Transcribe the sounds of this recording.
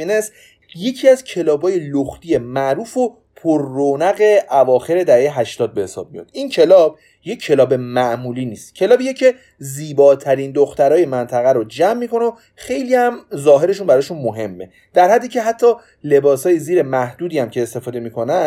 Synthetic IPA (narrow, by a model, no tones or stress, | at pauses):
ines | je̞cʰiæzcʰe̞lɒːbɒːje̞loxt̪ije̞mæʔɾuːfo | pʰoɾːonæɣe̞ʔævɒːxe̞ɾe̞d̪æhejeɦæʃt̪ɒːd̪̚be̞he̞sɒ̰ːb̥̚mijɒ̰d̪incʰe̞lɒːb̥̚ | jecʰːe̞lɒːbe̞mæʔmuːliːniːst̪cʰe̞lɒːbijecʰe̞ | ziːbɒːt̪ʰæɾind̪oxt̪æɾɒːje̞mænt̪ʰæɣæɾod͡ʒæmːiːko̞neo | xe̞jliːhæmzɒːɦe̞ɾe̞ʃunbæɾɒːʃunmoɦe̞mːe̞̰ | d̪̥æɾhæd̪ːiːcʰe̞ɦæt̪ʰːɒː | le̞bɒːsɒːjeziːɾe̞mæhd̪uːd̪iːæmcʰe̞ːst̪e̞fɒːd̪e̞mikʰonæ